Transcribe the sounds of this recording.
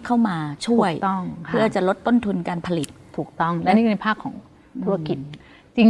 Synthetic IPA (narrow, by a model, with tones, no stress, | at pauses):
kʰa˥˩wmaː˧t͡ɕʰu˥˩əjŋʰɯ˥˩ɐ˨˩t͡ɕa˨˩lo˦˥t̪ːo˥˩nt̪ʰu˧nkaː˧npʰa˧li˨˩t̪̚ʰːuː˨˩k̚t̪ɔ˥˩ŋlniː˥˩˧pʰaː˥˩kʰːɔː˩˦ŋ | t̪ʰu˦˥a˧ki˨˩t̪̚ | t͡ɕi˧ŋ